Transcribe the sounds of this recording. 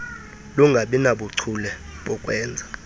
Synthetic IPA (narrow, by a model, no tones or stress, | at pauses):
luŋɡʱaɓinaɓuǀʰulɛɓɔkʼwɛːnd͡zʱa